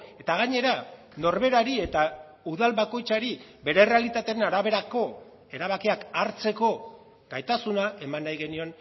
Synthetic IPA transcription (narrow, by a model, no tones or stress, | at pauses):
e̞t̪aɣ̞aɲe̞ɾa | no̞ɾβe̞ɾaɾie̞t̪a | uðalβako̞jt͡saɾiβe̞ɾe̞re̞alit̪at̪e̞enaɾaβ̞e̞ɾako̞ | e̞ɾaβ̞akiakaɾt͡se̞ko̞ | ɡ̥ajt̪asunae̞manːajɣe̞nio̞n